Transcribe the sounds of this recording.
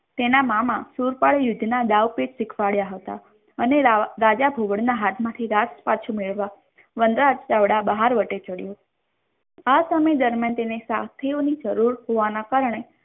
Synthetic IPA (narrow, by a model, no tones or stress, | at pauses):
t̪enamãmãsuɾpaɭejʊd̪ʱnad̪aʋpeʈsɪkʰʋaɭjaɦət̪a̰ | əneɾad͡ʒabʱoʋəɽnaɦat̪ʰmãt̪ʰiɾaspat͡ʃʰumeɭʋa | ʋənd̪ɾad͡ʒt͡ʃaʋɽabəɦaɾʋəʈet͡ʃəɽjo | asaməjd̪əɾmjant̪enesat̪ʰeonid͡ʒəɾuɾɦoʋanakaɾəɳ̃e